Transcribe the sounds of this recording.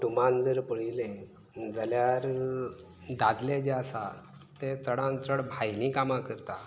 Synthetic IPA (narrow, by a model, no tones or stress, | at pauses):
ʈumãnd͡zəɾpəɭilẽ | d͡zaljaɾ | d̪ad̪led͡ʑeasa | t̪et͡səɽãnt͡səɽbʱajnikamãkəɾt̪a